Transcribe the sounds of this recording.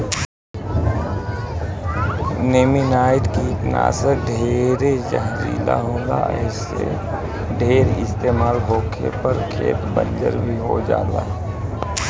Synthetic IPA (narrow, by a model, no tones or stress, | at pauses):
neːminaːɪʈkikna̰ːseɖʱeːɾed͡ʒəɦd͡ʒḭːla̰ɦõːd̪aɛ̰ːs | ḛ | ɖʱeːɾɪst̪eːmaːlɦoːkʰḛpəɾkʰeːt̪bə̃nd͡ʒəɾbʱiɦod͡ʒa̰ːlaː